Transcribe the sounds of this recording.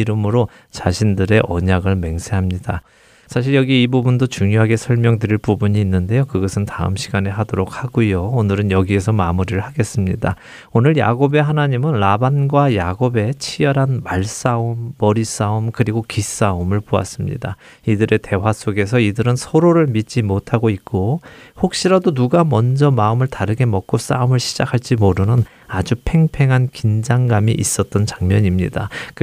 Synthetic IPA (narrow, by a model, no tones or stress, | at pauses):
iɾɯmɯɾo | t͡ɕaɕʰindɯɾe̞ʔʌ̰ɲaɡɯɭme̞ŋsʰeɦamɲida | sʰaɕʰiɭjʌɡiːbubundot͡ɕuŋjoɦaɡe̞sʰʌɭmjʌŋdɯɾiɭpubuɲiːnːɯnde̞jokɯɡʌsʰɯntaɯ̰mɕʰiɡaneɦadoɾok̚ʰhaɡujoonɯɾɯnjʌɡie̞sʰʌmamuɾiɾɯɭhaɡe̞s͈ɯmɲida | onɯɭja̰ɡobe̞ɦanaɲimɯnlabanɡwajaɡobe̞t͡ɕʰijʌɾɦanmaɭs͈aumːʌɾis͈aumkɯɾiɡokis͈aumɯɭpoa̰s͈ɯmɲḭda | idɯɾe̞te̞was͈oɡe̞s̬ʰʌidɯɾɯnsʰʌɾoɾɯɭmit͡ɕ͈imotʰaɡoit̚k͈ohok̚ɕ͈iɾadonuɡamʌnd͡ʑʌmaɯmɯɭtaɾɯɡe̞mʌk͈os͈a̰umɯɭɕʰi̥d͡ʑakʰaɭt͡ɕ͈imoɾɯnɯn | ad͡ʑupʰe̞ŋpʰe̞ŋɦankind͡ʑaŋɡamiʔis͈ʌt̚t͈ʌnt͡ɕaŋmjʌɲimɲidak